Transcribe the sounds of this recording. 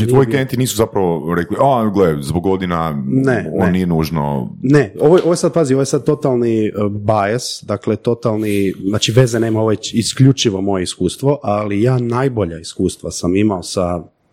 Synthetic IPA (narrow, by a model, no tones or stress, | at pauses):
iojikent̪iniːsuzapɾaʋoɾekliʔaɡlezboɡod̪inaneonnijenuːʒno̰ne̞oʋojo̞ʋojesad̪̚pazio̞ʋojesad̪̚t̪o̞t̪alˠnibajesd̪akle̞t̪o̞t̪alˠniznaːt͡ʃiʋe̞zeneːmaoʋet͡ɕiskʎut͡ʃiʋo̞mo̞je̞iskuːst̪ʋo̞ʔalijaːnajbo̞ʎaiskuːst̪ʋasamimaosa